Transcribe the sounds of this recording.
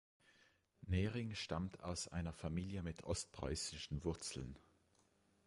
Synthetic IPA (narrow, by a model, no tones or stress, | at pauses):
nɛːʁɪŋʃta̰mtʰa̰ʊsʔa̰ɪnɐfamiːljəmɪtʰʔɔst̚pʁ̥a̰ɪsɪʃn̩vʊɐt͡sl̩n